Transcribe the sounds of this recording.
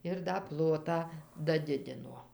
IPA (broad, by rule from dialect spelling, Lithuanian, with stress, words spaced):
ɪr dɐ ˈplˠoːtɑː dɐˈdʲɪdʲɪnoː